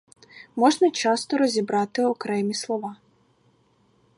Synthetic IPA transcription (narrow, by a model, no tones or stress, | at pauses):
mɔʐnɐt͡ʃɑst̪ɔɾɔzʲibɾɑt̪ɪɔkɾɛmʲislˠɔʋɑ